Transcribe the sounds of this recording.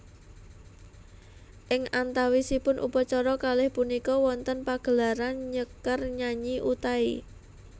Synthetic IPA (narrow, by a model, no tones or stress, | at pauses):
ʔɪŋʔant̪awisipʊnʔṵpɔt͡ʃɔɾɔkalɪhpunikɔwɔnt̪ənpaɡ̥ə̤laɾanɲəkərɲaɲiʔut̪aḭ